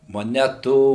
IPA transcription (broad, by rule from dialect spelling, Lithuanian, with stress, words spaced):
moːˈnʲæːtuː